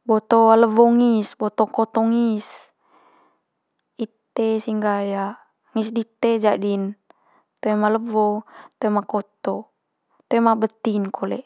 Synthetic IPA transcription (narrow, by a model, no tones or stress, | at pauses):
bot̪oaləvoŋisbot̪ɔkot̪ɔŋis | it̪esiŋɡaja | ŋisdit̪ed͡ʒadin | t̪omaləvot̪omakot̪o | t̪emabət̪inkʰolɛ̰ʔ